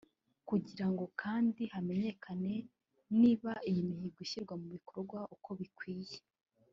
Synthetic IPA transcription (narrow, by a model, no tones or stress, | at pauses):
kuɟiɾaŋɡo̞kʰaːndihame̞ɲe̞kʰane̞ | niːβaijimihiɡiʃiɾɡwamuβikʰo̞ɾɡwaʔuko̞βikwiːje̥